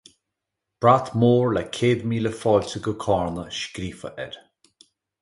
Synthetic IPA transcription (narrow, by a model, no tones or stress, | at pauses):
b̥ɹat̪moːɹlɛkʰeːd̪miːləfɔːltəɡəkʰɑːɹnəʃkɾiːfə̰ʔɛ̰ɾ